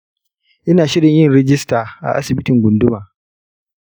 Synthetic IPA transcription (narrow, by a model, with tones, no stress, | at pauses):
ʔɪ˦naː˨ʃɪ˦ɽɪ˨ɲjɪ˦nɾɛ˦d͡ʒɪ˦staː˨ʔa̰˨ʔa̰˦sɪ˨bɪ˦tɪ˨ŋɡʷʊ˨ndʊ˦maː˨